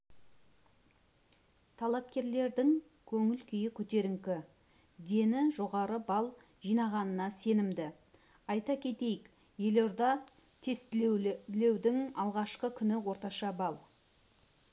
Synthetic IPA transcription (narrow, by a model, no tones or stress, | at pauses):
t̪ʰɑlˠɑp̚kʲe̞ɾle̞ɾd̪ɪŋ | kʲʰɵŋɪlkʲʰʏjɪkʲʰɵt̪e̞ɾɪŋkʲɪ | d̪e̞nɪʒo̞ʁɑɾəbɑlˠ | ʒ̥ijnɑʁɑnənɑse̞nɪmd̪ɪ | ɑjt̪ɑkʲʰe̞t̪e̞jɪk | je̞loɾd̪ɑ | t̪ʰe̞st̪le̞wd̪ɪŋɑlˠʁɑʃqəkʲʰʏnɪwo̞ɾt̪ɑʃɑbɑlˠ